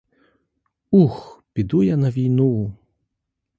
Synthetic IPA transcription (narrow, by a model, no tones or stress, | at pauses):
uxpʲid̪ujanɐvʲijnu